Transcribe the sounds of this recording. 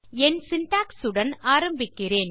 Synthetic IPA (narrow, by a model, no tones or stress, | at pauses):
ɛnsɪnʈaːksɯɽɐnaːɾɐmbɪkːɪreːn